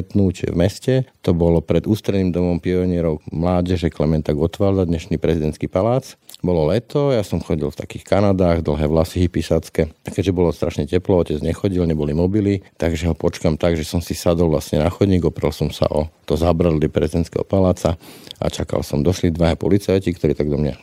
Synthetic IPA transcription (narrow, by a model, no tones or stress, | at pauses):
t̪nuːt͡ʃɛ̰vmɛscɛt̪ɔbɔlɔpɾɛd̪uːst̪ɾɛniːmd̪ɔmɔmpiɔɲɪɛɾɔʊmlaːɟɛʒɛklɛmɛnt̪aɡɔt̪ʋaːlzad̪ɲɛʃniːpɾɛzid̪ɛnt̪skiːpalaːt͡sbɔlɔlɛt̪ɔjasɔmxɔɟilft̪akiːxkanad̪aːɣd̪l̩ɦɛːʋlasiɦifpisat͡skɛakɛɟʒɛbɔlɔst̪ɾʔaʃɲɛcɛplɔɔcɛd͡zɲɛxɔɟilɲɛbɔlimɔbilit̪aɡʒɛɦɔpɔt͡ʃkaːmt̪aɡʒɛsɔmsisad̪ɔlʋlasɲɛ̰naxɔd̪ɲiːɡɔpɾɛlsɔmsa̰ʔɔt̪ɔzabɾad̪lipɾɛ̰zid̪ɛnt̪skɛ̰ɦɔ̰palaːt͡saʔa̰t͡ʃaka̰lsɔmd̪ɔʃlid̪ʋaɦɛpɔlit͡sajcikt̪ɔɾiːt̪aɡd̪ɔmɲa̰